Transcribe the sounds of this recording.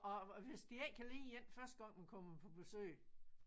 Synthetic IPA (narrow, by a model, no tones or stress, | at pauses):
ɒʋe̝sd̥ieɡ̥̚kʰælḭːjen̰fɶɐsd̥əɡ̥ɑ̈ŋ̰mækʰɒ̽məpʰɒ̽b̥e̝sø̰ː